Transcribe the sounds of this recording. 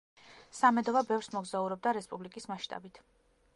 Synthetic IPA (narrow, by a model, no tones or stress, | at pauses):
samɛd̪ɔvabɛvɾsmɔɡzauɾɔb̚d̪aɾɛspʼublikʼismaʃt̪ʼa̰bit̪ʰ